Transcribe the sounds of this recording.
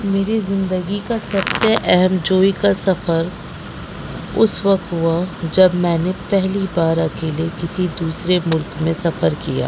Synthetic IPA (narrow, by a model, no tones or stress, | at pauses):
meːɾizɪ̃nd̪əɡikasɐbseʔɛɦɛmd͡ʒoːikasɐfəɾ | ʊ̰sʋɐk̚t̪ɦuad͡ʒɐbmɛ̃ːnepɛɦlibaːɾɐkeːlekɪsid̪uːsɾemʊlkmẽsɐfəɾkija̰ː